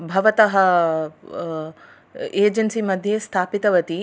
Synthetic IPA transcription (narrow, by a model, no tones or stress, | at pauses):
bʱɐʋɐt̪ɐɦɐ | eːd͡ʒɐnsimɐd̪ʱjest̪ʰaːpit̪ɐʋɐt̪i